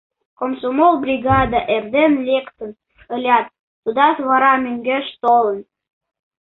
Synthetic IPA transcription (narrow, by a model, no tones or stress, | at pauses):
komsomolbrʲiɡɑd̪ɑʔerd̪enlʲekt̪ə̆n | ə̆lʲɑt̪̚ː | ud̪ɑt̪βɑɾɑmøŋɡeʃt̪olə̆n